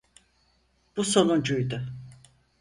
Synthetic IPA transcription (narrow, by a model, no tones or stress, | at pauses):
b̥uso̞nund͡ʒujd̪ʊ